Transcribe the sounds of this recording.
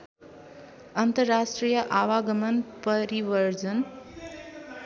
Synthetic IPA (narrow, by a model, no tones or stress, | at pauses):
ʌnt̪ʌrːasʈrijʌʔawaɡʌmʌnpʌɾibʌɾd͡zʌn